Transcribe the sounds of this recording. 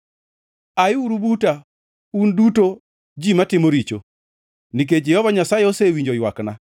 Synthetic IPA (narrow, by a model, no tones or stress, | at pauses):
ajɪuɾubuta | unduto | d͡ʒimatɪmoɾit͡ʃo̰ | nik̬ed͡ʒɛhɔvaɲasajeɔsewiɲd͡ʒɔjwakna